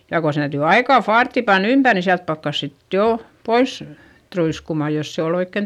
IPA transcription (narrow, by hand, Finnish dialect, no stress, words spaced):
jɑ ko se tæytyˑ ɑikɑˑ fɑːrtːi pɑnː ympær ni siælt pɑkːɑs sit joˑ pois truiskumɑˑ jos se ol oikːen